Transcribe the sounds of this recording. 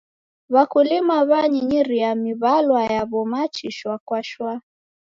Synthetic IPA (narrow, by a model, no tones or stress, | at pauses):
βakulimaβaɲiɲiɾiamiβalwajaβɔmat͡ʃiʃwakwaʃwa